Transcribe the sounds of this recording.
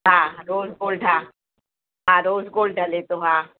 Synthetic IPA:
ɦãːɾoːzɡoːlɖɦaː | ɦãːɾoːzɡoːlɖɖʱɐlet̪oɦãː

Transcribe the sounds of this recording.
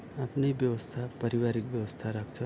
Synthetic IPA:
apniʋjəʋəst̪ʰapəɾiʋaɾikʋjəʋəst̪ʰaɾakʰt͡ʃʰe

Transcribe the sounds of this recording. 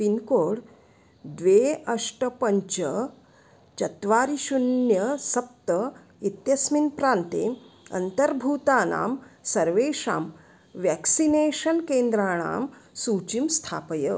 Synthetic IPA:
pinkoːɽ | d̪ʋeːɐʂʈɐpɐɲt͡ʃɐ | t͡ʃɐt̪ʋaːɾiʃunjɐsɐp̚t̪ɐ | it̪jɐsminpɾaːnt̪ḛːɐ̰nt̪ɐɾbʱuːt̪aːna̰ːmsɐɾʋeːʃa̰ːm | ʋɛːksineːʃɐnkeːnd̪ɾaːɳ̃a̰ːmsuːt͡ʃimst̪ʰaːpɐjɐ

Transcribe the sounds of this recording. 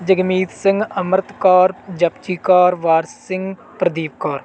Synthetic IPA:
d͡ʒɐɡmiːt̪sɪ̃ŋɡɐmɾt̪kaːɾd͡ʒɐpt͡ʃiːkaːɾʋaːɾsɪ̃ŋɡ | pɾɐd̪iːp̚kaːɾ

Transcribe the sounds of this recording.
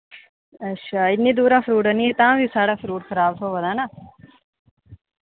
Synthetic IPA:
əʃʰaːɪnːiːd̪uːɾaːfʰɾuːʈəniːet̪ããːʋiːsaːɽaːfɾuːʈxʰəɾaːbt̪ʰoːʋəd̪aːnaː

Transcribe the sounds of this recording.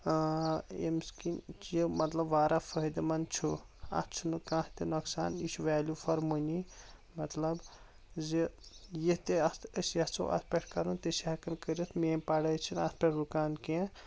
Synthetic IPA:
ḛmskint͡ʃjimɐt̪lɐbʋaːɾʔafʰɐd̪mɐnt͡ʃʰuɐ̰t͡ʃʰunɨkãːht̪inɐksa̰ːniʃʰuʋaːlʲjufɐɾmuni | mɐt̪lɐb | zijit̪eɐəsɐt͡sʰo̰ʔɐ̰spʲekʈ̚ʰkɐɾunt̪isiɦɐkɐnkəɾit̪ʰmeːmpɐɽɐt͡ʃʰinɐspʲeʈɾukaːnkẽ

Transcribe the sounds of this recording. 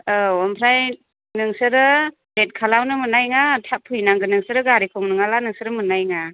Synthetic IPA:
ɯwɔmpʰɾaj | nɯŋsɯɾɯ | let̚kʰalawnɯmɯnajŋatʰapʰːɯjnaŋɡɯnɯŋsɯɾɯɡaɾikʰɯŋnɯŋalanɯŋsɯɾɯmɯnajŋa

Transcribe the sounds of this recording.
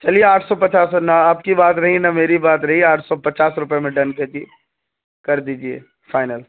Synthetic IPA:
t͡ʃɐlieaːʈʰsɔpɐt͡ʃaːsnɐaːp̚kibaːt̪ɾɐɦinɐmeːɾibaːt̪ɾɐɦiaːʈʰsɔpɐt͡ʃaːsɾʊpemẽɖɐ̃nked͡ʒie | kɐɾd̪iːd͡ʒiḛː | faːɪnəl

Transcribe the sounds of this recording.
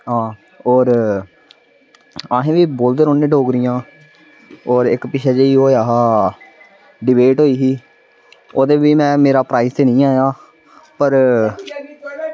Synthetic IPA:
ɦãː | oːɾ | aːɦẽːʋiːboːld̪eːɾoːnːẽːɖoːɡɾɪjãː | oːɾɪkpɪʃʰɛːd͡ʒeiːɦoːaːɦaː | ɖɪbeːʈɦoːiːɦiː | oːd̪eːʋiːmɛ̃ːmeːɾaːpɾaːɪst̪eːnĩːaːjaː | pəɾ

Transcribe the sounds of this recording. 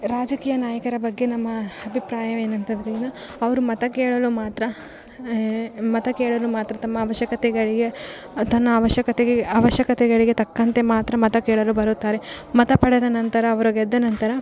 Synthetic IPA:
ɾaːd͡ʒɐkiːjɐnaːjɐkɐɾɐbɐɡːe̞nɐmːɐɐbʱipɾaːjɐʋeːnɐnt̪ɐd̪ɐɾinɐ | ɐʋɐɾumɐt̪ɐkeːɭɐlumaːt̪ɾɐ | mɐt̪ɐkeːɭɐlumaːt̪ɾɐt̪ɐmːɐːʋɐʃjɐkɐt̪ɛɡɐɭiɡe | t̪ɐnːɐːʋɐʃjɐkɐt̪ɛɡeɐʋɐʃjɐkɐt̪ɛɡɐɭiɡet̪ɐkːɐnt̪e̞maːt̪ɾɐmɐt̪ɐkeːɭɐlubɐɾut̪ːaːɾe̞mɐt̪ɐpɐɽɛd̪ɐnɐnt̪ɐɾɐːʋɐɾuɡɛd̪ːɐnɐnt̪ɐɾɐ

